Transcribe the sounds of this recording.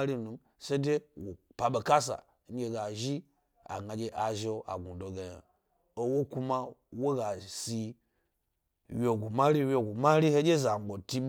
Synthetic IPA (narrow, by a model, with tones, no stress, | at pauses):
ɾi˦nu˨m | se˦de˦wo˨pa˨ɓe˨ka˦s̬a̰˨˦ŋ̩˦ɡʲe˦ɡa˨ʒi˦ | a̰˨ɡa˨d͡ʒʲe˦ʔa˨ʒe˦o˦a̰˨ɡu˨do˨ɡe˨ja̰˨ | o˦wo˦ku˦ma˦wo˦ɡa˨si˨ | wo˨ɡu˨ma˦ɾi˦wʲjo˨ɡu˨ma˦ɾi˦he˦d͡ʒʲe˦za˨ŋ͡mɡ͡bo˨ti˦